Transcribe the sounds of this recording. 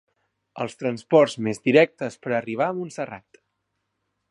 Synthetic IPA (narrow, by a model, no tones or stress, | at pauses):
ə̰lˠst̪ɾənspɔrzmezd̪iɾɛk̚t̪əspəɾəriβ̞aəmunsəra̰t̪